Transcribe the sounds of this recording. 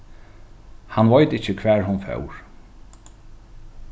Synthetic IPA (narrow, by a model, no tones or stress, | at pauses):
hanvɔjt̪ɪcːəkʰvɛːɹɦʊnfœ̰wɹ